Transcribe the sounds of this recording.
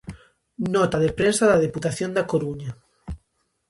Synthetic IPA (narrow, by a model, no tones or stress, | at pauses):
nɔt̪aðepɾensaðaðeput̪aθjond̪akoɾuɲa